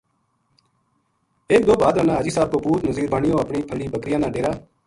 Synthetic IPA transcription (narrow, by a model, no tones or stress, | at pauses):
eːk̚d̪oːbʱaːd̪ɾənãːɦaːd͡ʒiːsaːb̚koːpuːt̪nəziːɾbaːɳɪjõːəpɳiːpʰəliːbəkɾɪjãːnãːɖeːɾaː